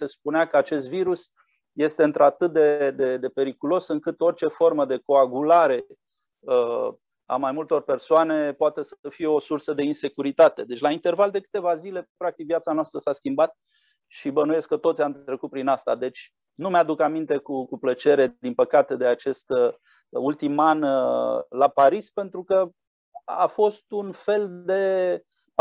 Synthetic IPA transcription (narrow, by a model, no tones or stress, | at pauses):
se̞spuneakəat͡ʃe̞st̪viɾus | je̞st̪e̞ɨnt̪ɾoat̪ɨt̪̚d̪e̞d̪e̞d̪e̞pe̞ɾikulo̞sɨŋkɨt̪o̞rt͡ʃe̞fo̞rməd̪e̞ko̞aɡulaɾe̞ | ə | a̰majmult̪o̞rpe̞rsoane̞poat̪e̞səfije̞o̞sursəd̪e̞inse̞kuɾit̪at̪e̞d̪e̞t͡ʃʲlaint̪e̞rvald̪e̞kɨ̥t̪e̞vazile̞pɾak̚t̪ikvijat̪sanoast̪ɾəsaskʲimbat̪̚ | ʃibənuje̞skət̪ot̪sʲjant̪t̪ɾe̞kut̪̚pɾinast̪a̰d̪e̞t͡ʃʲ | numead̪ukamint̪e̞kukuplət͡ʃe̞ɾe̞d̪inpəkat̪e̞d̪e̞at͡ʃe̞st̪ | ult̪iman | lapaɾispe̞nt̪ɾukə | a̰fo̞st̪unfe̞ld̪e̞ | p